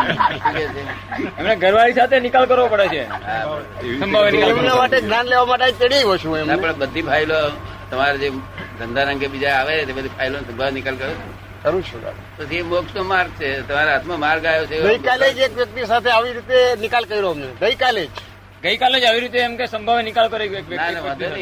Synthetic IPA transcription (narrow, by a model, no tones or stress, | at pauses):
ʈʰiket͡ʃʰeemneɡʱəɾʋaɭisat̪ʰenikalkəɾʋopəɽet͡ʃʰeɦaəsəmbʱaʋenikaemnamaʈeɡnjanleʋamaʈeat̪eɽiɦot͡ʃʰũemapəɳ̃bəd̪ʱipʰailo | t̪əmaɾed͡ʒed̪ʱənd̪ʱaɾəŋɡebid͡ʒaaʋet̪ebəd̪ʱipʰailosəmbʱaʋnikəlkəɾot͡ʃʰ | kəɾũt͡ʃʰuka̰ | pət͡ʃʰiemoksomaɾɡ̚t͡ʃʰet̪əmaɾeɦat̪ʰmamaɾɡajot͡ʃʰeɡəikaled͡ʒekʋjək̚t̪isat̪ʰeaʋiɾit̪enɪkalkəiɾomneɡəikaled͡ʒ | ɡəikaled͡ʒaʋiɾit̪̬eːmkesəmbʱaʋenɪkalkəɾekek̚ʋjəknaneə̃t̪